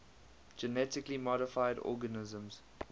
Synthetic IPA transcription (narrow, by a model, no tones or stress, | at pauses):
d͡ʒɛnɛtɪklimɔɾɪfaɪdɔ̰ːɡənɪzə̃mz̥